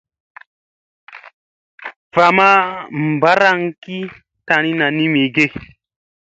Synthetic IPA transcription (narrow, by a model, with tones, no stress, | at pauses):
va˨ma˦m˨ba˦ɾa˦˨ŋ˦ki˦ | ta˨ɾ̃i˦na˨ni˦mi˨ɡe˦˨